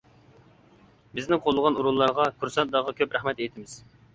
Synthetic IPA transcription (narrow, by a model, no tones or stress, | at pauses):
bɪznɪqʰolˠːəʁɑnuɾulˠːɑɾʁɑkʰuɾsɑnt̪ːɑʁɑkʲʰøpɾæχmɛt̪ejt̪ʰɪmɪz̥